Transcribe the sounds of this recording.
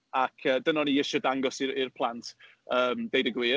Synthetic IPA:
akʰəːdənɔniɪʃɔdaŋɡɔsɪɾirpʰlˠantʰ | əːmdejdəɡwiː

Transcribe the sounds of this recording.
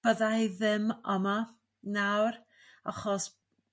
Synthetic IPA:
əðajðɪməma | nawr | aχɔs

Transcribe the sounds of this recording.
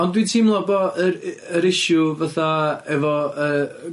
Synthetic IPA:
ɔndwitʰimlˠɔbɔəɾəɾɪʃjʊvaθaɛvɔə

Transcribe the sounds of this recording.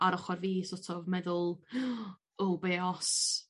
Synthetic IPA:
aɾɔχɔɾviːsɔtʰɔvmɛðʊlˠ | olbeːɔs

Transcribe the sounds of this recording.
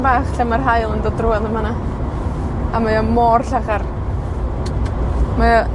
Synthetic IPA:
baːχɬamarɦajlˠəndɔdruaðəmana | amajamɔrɬaχar | ma

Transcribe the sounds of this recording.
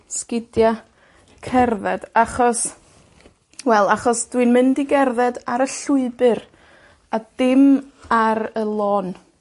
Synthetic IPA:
skɪdja | kʰɛrðɛd̥aχɔs | wɛlˠaχɔsd̥wɨnmɪndiɡɛrðɛdaɾəɬʊɨbɨr | ad̥ɪmaɾəlˠɔːn

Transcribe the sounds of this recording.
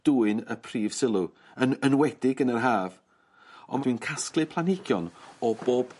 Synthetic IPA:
d̥uːɨnəpʰriːv̥sɪlˠu | ənənwɛd̥ɪɡənərɦaːv | ɔ̰nd̥wiɨnkʰasklˠɨpʰlˠanɪɡjɔnɔboːb̥

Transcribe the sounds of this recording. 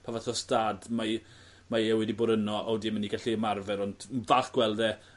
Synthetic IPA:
pʰavaθɔstaːdma | maɛwɪdibʊːɾənɔʔɔdiməniɡaɬiəmarvɛɾɔndvaɬɡ̥wɛlˠdɛ

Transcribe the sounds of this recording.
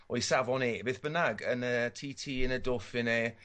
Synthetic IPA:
ʔojsavɔneːbeːθb̥ənaɡənətʰiːtʰiːənədofɪne

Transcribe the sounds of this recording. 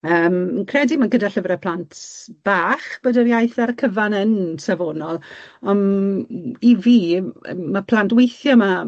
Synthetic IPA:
əːmənkʰrɛdimaɡədaɬəvrɛpʰlˠantʰb̥aːχb̥ədəɾjajθaɾkʰəvanənsavoːnɔlˠɔn | iviːmapʰl̥ˠantwejθjɔma

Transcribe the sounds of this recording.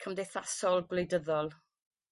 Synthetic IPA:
kʰəmdɛθasɔlˠɡwlejdəðɔlˠ

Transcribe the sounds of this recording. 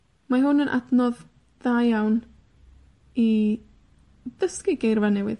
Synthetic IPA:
maɦʊnənʔa̰dnɔð | d̥ajjawn | i | d̥əskiɡejrvanɛwɪ̰ð

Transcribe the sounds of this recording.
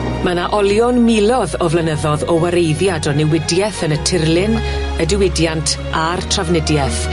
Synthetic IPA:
manaʔɔlˠjɔnmilˠɔðɔvlənəðɔðɔwaɾejðjadɔnɪwɪdjɛθənətʰɪrlɪn | ədɪwɪdjantʰ | artʰravnɪdjɛθ

